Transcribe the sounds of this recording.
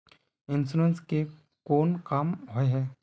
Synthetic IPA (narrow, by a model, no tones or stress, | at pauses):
ɪnsuɾənske | koːnkamɦoeɦɛː